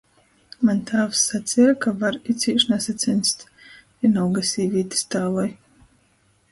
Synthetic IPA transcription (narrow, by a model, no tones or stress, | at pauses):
manʲt̪ʰaːvsːat̪sʲiɾakavaɾit̪sʲiːʃnɛsat̪sɛnʲst̪ | inawɡasʲiːvʲiːt̪ʲi̥st̪aːlˠaj